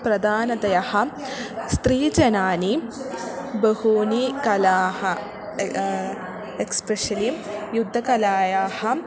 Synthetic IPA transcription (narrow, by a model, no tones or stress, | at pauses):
pɾɐd̪ʱaːnɐd̪ɐjɐhɐ̆ | st̪ɾiːd͡ʒɐnaːni | bɐhuːnikɐlaːhɐ | ekspɾeʃɐlijud̪ʱːɐkɐlaːjaːhɐ̆